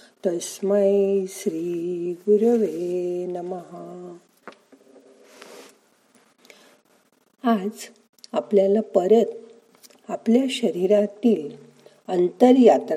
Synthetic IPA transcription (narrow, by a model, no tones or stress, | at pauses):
t̪əsməjɕɾiːɡuɾʋenəməɦa | ad͡z | apljalapəɾət̪ | apljaɕəɾiɾat̪iːl | ənt̪əɾjat̪ɾ